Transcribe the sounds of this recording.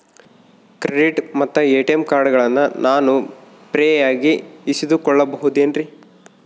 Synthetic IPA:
kɾeɖiʈmɐt̪ːɐeːʈemkaːɾɽɐɡɐɭɐnːɐnʔaːnu | pɾɛːjaːɡiːsid̪ukɔɭːɐbɐɦud̪eːnɾi

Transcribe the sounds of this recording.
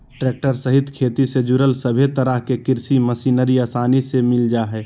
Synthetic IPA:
ʈɾeːk̚ʈəɾsəɦɪt̪kʰeːt̪ised͡ʒʊɾəlsəbʱet̪əɾəɦkekɪɾsiməsiːnəɾiaːsaːnisemɪld͡ʒaɦɛː

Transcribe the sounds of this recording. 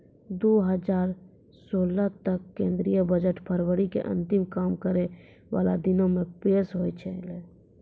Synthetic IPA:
d̪oːɦəd͡ʒaːɾ | soːlat̪əkːẽːnd̪ɾijəbəd͡ʒəʈpʰəɾwəɽikḛʔə̰̃nt̪ɪmkaːmkəɾe | ʋa̰ːla̰d̪ɪnõmẽpeːsɦoːit͡ʃʰele

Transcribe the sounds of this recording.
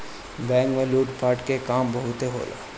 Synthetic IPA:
bɛ̃ːŋkmẽluːʈpaːɾʈkekaːmbɐɦʊt̪eɦo̰ːla̰ː

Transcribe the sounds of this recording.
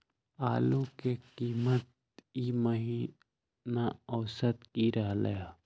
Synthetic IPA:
aːlukekiːmət̪̚ | iməɦi | naəːsət̪kiɾəɦləja

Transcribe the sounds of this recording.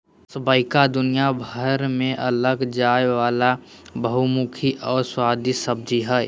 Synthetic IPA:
səbaːɪkad̪ʊnijabʱəɾmẽʔɐləɡd͡ʒaːjwaːla | bəɦumukʰiʔɔːɾswaːd̪isəb̚d͡ʒiɦɛː

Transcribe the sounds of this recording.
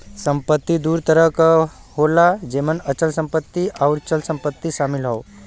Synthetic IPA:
səmpət̪ːid̪uːɾt̪əɾəkholad͡ʑemənət͡ɕəlsəmpət̪ːiawɾt͡ɕəlsəmpət̪ːiʃamilɦow

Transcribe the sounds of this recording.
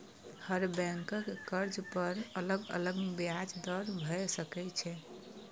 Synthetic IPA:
həɾbɛ̃ŋkəkkəɾd͡ʒpəɾələɡə̰ləɡbjad͡ʒd̪əɾbʱəesəkɛt͡ʃʰɛ

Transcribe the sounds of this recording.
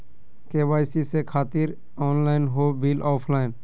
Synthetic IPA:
keːʋaːɪsisekʰaːt̪ɪɾ | ɔːnlaːɪnɦobilɔːpʰlaːɪn

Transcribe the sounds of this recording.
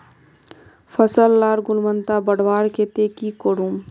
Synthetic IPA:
fʰəsəlːaːɾɡʊlmənt̪abəɽʋaːɾket̪eːkikoɽũːm

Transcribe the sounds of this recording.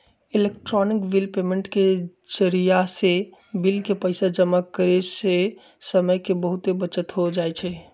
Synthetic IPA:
ilekʈɾɔnikbilpemeɳʈket͡ʃəɾijasebilkepəɪsad͡ʒəmakəɾese | səməjkebəɦut̪ebət͡ʃət̪ɦod͡ʒaet͡ʃʰɛ

